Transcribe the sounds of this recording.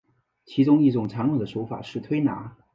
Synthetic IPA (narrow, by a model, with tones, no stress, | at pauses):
t͡ɕʰi˧˥ʈ͡ʂʊ˥ŋi˥˩ʈ͡ʂʊ˨˩ŋʈ͡ʂʰɑ˧˥ŋnɤ˨˩d̪ə˦ʂo˧˥ʊfa̰˨˩ʂɻ̩˥˩t̪ʰwe˥ɪna̰˧˥